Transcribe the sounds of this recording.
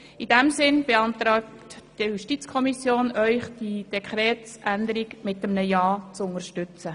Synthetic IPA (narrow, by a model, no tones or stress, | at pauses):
idɛmsɪnb̥eɑnt̪ɾɑːk | td̥ijuʃtit͡skʰɔmisjoːnœʏχd̥id̥ɛkʰχɾɛːtsʔændəɾiɡmɪtːəmnəjɑːt͡sʊŋəɾʃtʏt͡sə